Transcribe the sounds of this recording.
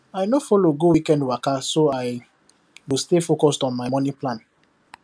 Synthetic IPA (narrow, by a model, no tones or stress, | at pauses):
ajnofɔloɡowikɛ̃ndwakasoaj | wistefokɔstɔ̃nmaɪmɔ̃nĩplãn